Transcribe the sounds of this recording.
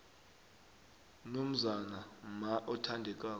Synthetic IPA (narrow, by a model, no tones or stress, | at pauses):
nom̩zanamaʔɔtʰandʱɛk̬ʼaː